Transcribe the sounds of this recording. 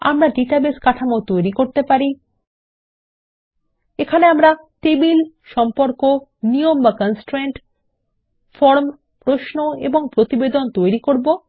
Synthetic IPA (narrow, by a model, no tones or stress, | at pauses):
a̰mɾaɖiʈabeskaʈʰamaot̪ojɾikoɾt̪epaɾi | ekʰaneamɾat̪ebil | ʃɔmpoɾkoniombakɔnsʈɾeɳʈ | fɔɾm | pɾoʃnoḛboŋpɾot̪ibed̪ont̪ojɾikoɾbo